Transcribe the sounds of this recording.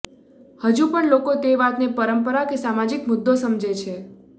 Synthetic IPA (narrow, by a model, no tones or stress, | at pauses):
həd͡ʒũpəɳlokot̪eʋat̪nepəɾəmpəɾakesamad͡ʒikmʊd̪ʱːosəmd͡ʒet͡ʃʰe